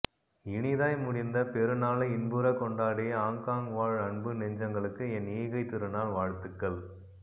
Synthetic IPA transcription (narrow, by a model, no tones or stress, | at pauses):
ɪɳɪðaːjmʊɽɪnd̪ɐpɛɾɯnaːlɐɪɪnbɯɾɐkːɔɳɖaːɽɪjɐaːŋkaːŋʋaːɻɐɳbɯnɛɲd͡ʒɐŋɡɐɭɯkːɯɛnːiːɣɐɪt̪ːɪɾɯnaːlʋaːɻt̪ːɯkːɐɭ